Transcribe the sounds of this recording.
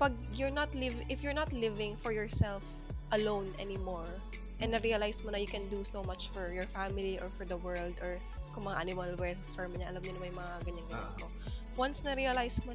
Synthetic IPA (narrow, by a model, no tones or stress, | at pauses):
pɐɡ̚ | jɔɹnɐt̪lɪvɪʔɪfjʊɹnat̪lɪvɪ̃ŋfɔɹjɔɹsɛlf | ʔɐlõwnʔɛ̰nɪmɔɹ | ʔɛnd̪nɐɾiɐlajsmonɐjʊkɛ̃nd̪usomat͡ʃfɔɹjɔɹfamɪliʔɔɹfɔɹd̪ɐwɜɹld̪ɔɹ | kʊŋmɐŋaʔanɪmɐlwɛ | fɛɹmɐɲaʔɐlamnɪnɐmɐjʊmɐŋaɡɐɲːɐŋɡɐɲanko | wɐnsnɐɾiɐlajsmo